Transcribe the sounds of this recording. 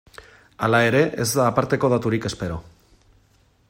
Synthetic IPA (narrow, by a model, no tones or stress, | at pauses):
alae̞ɾe̞ʔezd̪aːpaɾt̪e̞ko̞ðat̪uɾike̞spe̞ɾo̞